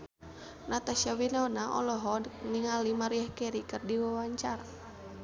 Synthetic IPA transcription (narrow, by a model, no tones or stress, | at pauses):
nat̪asawinanaʔɔ̰lɔɦɔniŋalimaɾiahkɛɾikɨrdiwawaɲt͡ʃaɾa